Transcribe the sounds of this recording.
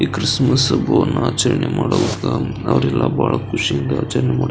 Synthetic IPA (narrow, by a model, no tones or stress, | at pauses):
ikɾɪsmɐsboːnaːt͡ʃɐɾɐɳjɐmaːɽɐʋukːa | ɐʋɐɾɛlːaːbaːɭɐkʊʂiɪnd̪ɐaːt͡ʃɐɾɐɳjɐmaːɽ